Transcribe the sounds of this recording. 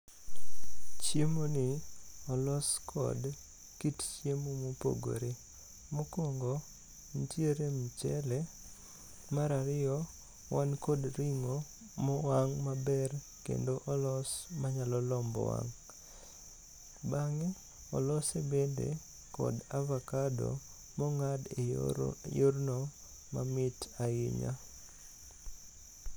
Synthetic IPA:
t͡ʃjemonɪɔlɔskʰɔ̰d | kitt͡ʃjemomopo̰ɡo̰ɾe | mokoŋɡo | ntjeɾemt͡ʃɛle | maɾaɾɪjɔ | wankodɾiŋo | mɔwaŋmabɛr | kḛndoʔɔlɔsmaɲalɔlɔmbɔ̰wa̰ŋ | baŋe | ɔ̰lɔsebendḛ | kɔ̰davakado̰ | mɔŋadejornɔ | mamɪtaɪ̰ɲa̰

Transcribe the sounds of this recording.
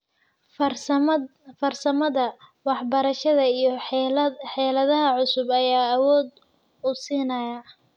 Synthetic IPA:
fɐrsɐmɐðɐwɑħbɐɾɐʃɐðɐijɞ | ħɛːlɐðɐɦɐʕʊsʊbɐjaːwɔːd̪ | ʊsiːnɐjɐ

